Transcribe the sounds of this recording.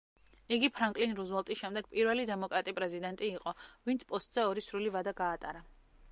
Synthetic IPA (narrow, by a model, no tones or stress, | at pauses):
iɡipʰɾaŋkʼlinɾuzvɛlˠt̪ʼisʃɛmd̪ɛɡ̥̚pʼiɾvɛlid̪ɛmɔkʼɾat̪ʼipʼɾɛzid̪ɛnt̪ʼiːqʼɔvint̪sʰpʼɔst̪ʼz̥ɛɔɾisɾulivad̪aɡaːt̪ʼaɾa